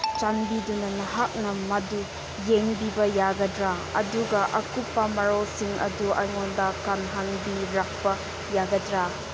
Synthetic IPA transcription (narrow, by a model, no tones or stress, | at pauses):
t͡ʃanbidunɐnɐɦak̚nɐmɐdu | jeŋbibɐjaɡɐdɾa | ɐ̰duɡɐʔɐkupːɐmɐɾɔsiŋʔɐ̰duʔɐjŋɔndɐkanɦanbiɾak̚pɐ | jaɡɐdɾa